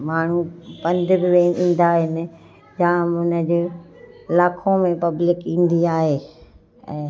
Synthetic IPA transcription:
maːɳ̤upɐ̃nd̪ʱbɪʋeːnĩːn̆d̪aɦɪnɪ̆ | d͡ʑãːʊnəd͡ʑeːɪlaːkʰõmẽpɐblɪkĩːn̆d̪iaːɦeː | ɛ̰̃ː

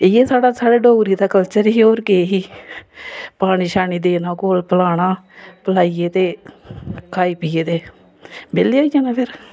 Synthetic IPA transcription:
ɪjeːsaːɽaːsaːɽeːɖoːɡɾiːd̪aːkəlt͡ʃəɾiːoːɾkeːɦiː | paːɽiːʃaːniːd̪eːnaːkoːlpəlaːɽaːpəlaːiːeːt̪eː | kʰaːiːpiːeːt̪eː | beːleːoːijaːnaːpʰɪɾ

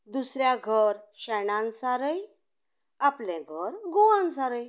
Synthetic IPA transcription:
d̪usɾjaɡʱəɾɕɛɳãnsaɾəj | aplɛ̃ɡʱəɾɡuʋãnsaɾəj

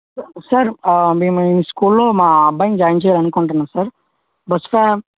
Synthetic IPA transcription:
sɐɾmiːmɐiniskuːlloːmaːɐbːɐjŋd͡ʒaːjɐɲt͡ʃɛːjaːlɐnukoɳʈɐnːaːsɐɾ | bɐsfe

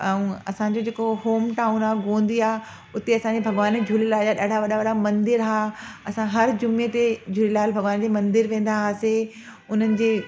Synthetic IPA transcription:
ɛ̃ũɐ̰sãɲd͡ʑod͡ʑeːkoɦoːmʈaːʊnaːɡõːnd̪iaː | ʊt̪eɐsãɲd͡ʑebʱɐɡʋaːned͡ʑʱulelaːd͡ʑaɗaːɽ̤ʱaʋɐɗaʋɐɗamɐ̃nd̪ɪɾɦaːɐsãɦɐɾd͡ʑʊmet̪ed͡ʑʱʊlelaːlbʱɐɡʋaːnd͡ʑeːmɐ̃nd̪ɪɾʋẽːn̆d̪aɦaːse | ʊn̤ənɪ̆d͡ʑeː

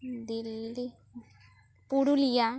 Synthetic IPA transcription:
d̪ilːi | puɽulija

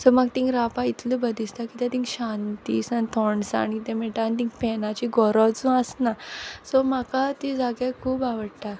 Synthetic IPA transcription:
sɔmaɡt̪ĩŋkɾapait̪ləbəd̪ist̪akit̪ãt̪ĩŋkɕant̪iːsanit̪ʰɔɳsa̰nit̪ɛ̃mɛʈ̪aːnit̪ĩŋkpɛnat͡ɕiɡɔɾɔt͡sũəsnasɔmakat̪id͡zaɡjakʰuːbaʋəɽʈa

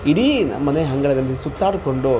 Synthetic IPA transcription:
iɽinmɐneɦɐŋɡɐɭɐd̪ɐlːisut̪ːaːɽuko̞ɳɖu

